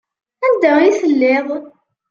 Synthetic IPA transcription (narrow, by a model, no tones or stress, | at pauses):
ænd̪æiθəlːeʁˤ